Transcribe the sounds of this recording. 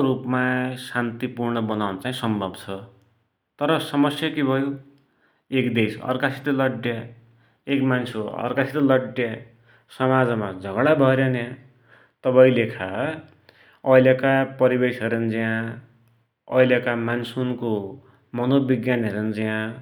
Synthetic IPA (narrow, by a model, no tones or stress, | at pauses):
ɾupmasant̪ipurɳʌbʌnawnʌt͡saĩsʌmbʱʌbt͡sʰʌ | t̪ʌɾʌsʌmʌsjʌkibʱʌjo | ekd̪esʌ̰rkasʰi̥t̪ʌlʌɖjʌ | ekmansʰoʌ̰rkasʰit̪ʌlʌɖjʌ | sʌmad͡zmad͡zʱʌɡɽabʱʌɾjana | t̪ʌbaĩlekʰa | ʌjljakapʌɾibesɦʌɾʌnd͡ziã | ʌjljakamansunko | mʌnobiɡjanʌɾend͡ziã